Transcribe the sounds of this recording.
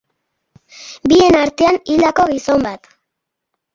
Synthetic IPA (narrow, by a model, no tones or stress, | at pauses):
bie̞naɾt̪e̞anild̪ako̞ɣiso̞mbat̪